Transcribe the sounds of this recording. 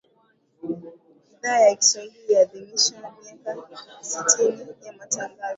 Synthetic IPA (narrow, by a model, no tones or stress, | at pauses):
iðaːjaki̥swahilijaðimiʃwamiakasitʰinijamataŋɡazɔ